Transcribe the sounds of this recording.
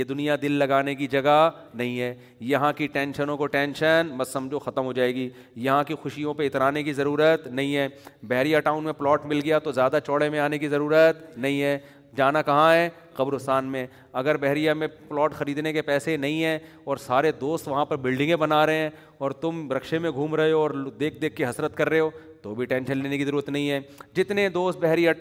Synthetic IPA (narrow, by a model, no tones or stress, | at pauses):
jed̪ʊnijad̪ɪlːɐɡaːnekid͡ʒɐɡa | nɐɦĩɦɛː | jɐɦãkiʈɛ̃ːnʃənõkoʈɛ̃ːnʃənbɐzsɐ̃md͡ʒʱoxɐt̪əmɦod͡ʒaːeːɡi | jɐɦãkixʊʃijõpeɪt̪ɾaːnekizɐɾuːɾət̪nɐɦĩɦɛːbɛɦɾijaʈaːʊnmẽplɔːʈmɪlɡɐjat̪ozjaːd̪at͡ʃɔːɽemẽaːnekizɐɾuːɾət̪nɐɦĩɦɛː | d͡ʒaːnakɐɦãɦɛ | qɐbɾʊsaːnmẽ | ɐɡəɾbɛɦɾijamẽplɔːʈxɐɾiːd̪nekepɛːsenɐɦĩɦɛ̃ː | ɔːɾsaːɾed̪oːst̪ʋɐɦãpɐɾbɪlɖɪ̃ŋɡẽbɐnaːɾɐɦeɦɛ̃ː | ɔːɾt̪ʊmbɾɐkʃemẽɡʱuːmɾɐɦeoɔːɾd̪eːk̚ʰd̪eːkʰːeɦɐsɾət̪kɐɾːeɦoːt̪obʱiʈɛ̃ːnʃə̃nleːnekizɐɾuːɾət̪nɐɦĩɦɛːd͡ʒɪt̪ned̪oːst̪bɛɦɾija